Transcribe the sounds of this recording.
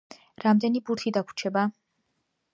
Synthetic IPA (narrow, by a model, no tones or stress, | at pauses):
ɾamd̪ɛnibuɾt̪ʰid̪akʰu̥t͡ʃʰɛba